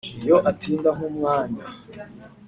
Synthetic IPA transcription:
ijo̞ʔatʰiːndaɦumŋaːɲa

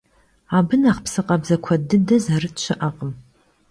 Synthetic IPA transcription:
aːbɨnaːχpʰsɨqʼɐbzɐkʷʰɐdɨdɐzarɨtt͡ʃʷʰɪʔɐqʼəm

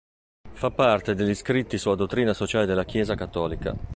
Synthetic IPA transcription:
fapːart̪ed̪eʎːiskɾit̪ːisulːad̪ot̪ːɾiːnasot͡ʃaːled̪elːak̟jɛːzakat̪ːɔːlika̰

